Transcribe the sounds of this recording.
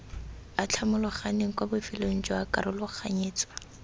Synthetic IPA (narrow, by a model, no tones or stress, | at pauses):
at͡ɬʰamʊlʊχaneŋ̩kwabʊfɪlon̩t͡ʃʼɔakʼaɾʊlʊχaɲeːt͡sʼwa